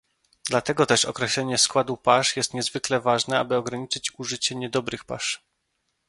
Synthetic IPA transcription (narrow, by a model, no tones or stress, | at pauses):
d̪lat̪ɛɡɔt̪ɛʂɔ̰kɾɛɕlɛɲɛskwad̪upaʂjɛst̪ɲɛzvɘklɛvaʐnɛabɘɔɡɾaɲit͡ʂɘt͡ɕuʐɘt͡ɕɛɲɛd̪ɔbɾɘxpa̰ʂ